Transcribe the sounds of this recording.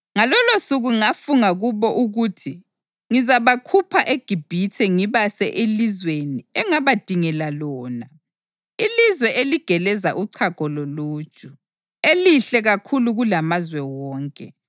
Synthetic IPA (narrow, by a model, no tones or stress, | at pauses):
ŋalɔlosuɣuŋafuŋaɣuβɔʔuɣutʰi | ŋizaβakʰupʰaʔeɡ̥ʱib̥ʱitʰɛŋiβasɛʔelizweniɛŋaβad̥ʱiŋɛlalɔːna | ilizwɛʔeliɡ̥ʱɛlɛzaʔuǀʰaɡ̥ʱɔloluːd̥t͡ʃʼu | eliɬɛɣakʰuluɣulamazwɛwɔːŋkʼɛ